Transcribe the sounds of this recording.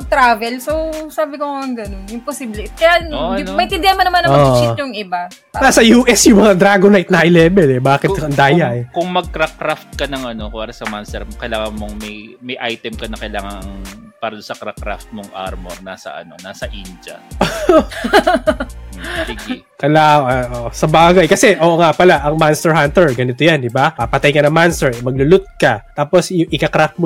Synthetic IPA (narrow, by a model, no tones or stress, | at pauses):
ɐɡ̚t̪ɾaːvɛlsosaːbɪkoɐŋɡɐnonjʊŋposiːblɛkɐjaomɐɪ̃t̪ɪnd̪ɪnmɐnɐmanɐoɐt͡ʃitjʊŋɪba | nasɐjuːʔɛsjʊŋmɐŋad̪ɾaɡonajt̪̚nɐʔɐjlɛːbɛlɛbaːkɪt̪ɐnd̪aːjaʔɛkʊŋmɐɡ̚kɾakɾaft̪̚kɐnɐŋʔɐno̞paːɾɐsɐmanst̪ɛɾkɐjlaːŋɐnmoŋmɐjmɐjʔajt̪ɛmkɐnɐkɐjlaːŋɐŋ | paːɾɐd̪onsɐkɾakɾa̰ft̪̚moŋʔa̰ɾmo̰ɾnasɐ̰ʔɐ̰nonaːsɐʔind͡ʒɐ̰ʔo | sɪɡɛ | kɐlaːɐʔoʔsɐbaːɡajkɐsɛʔoːʔoŋaʔpɐlaʔɐŋmanst̪ɛɹhant̪ɛɹɡɐnɪt̪ojand̪ɪbaɐpɐt̪ajkɐnɐŋmanst̪ɛɹmɐɡ̚lʊlʊt̪̚kɐt̪aːposjʊŋʔɪkakɾaft̪̚mo